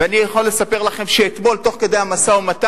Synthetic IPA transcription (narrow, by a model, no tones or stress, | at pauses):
eanijaχolːe̞sape̞ʁlaχe̞mʃeːt̪mo̞lt̪o̞χke̞d̪e̞jhamasaumat̪a